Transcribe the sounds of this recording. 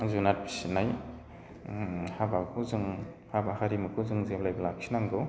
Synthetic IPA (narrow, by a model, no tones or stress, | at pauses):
zunat̚pʰi̥sinːaj | habawkʰɯzɯŋ | habahaɾimɯkʰɯzɯŋzeblajbɐlaksʰinaŋɡɔ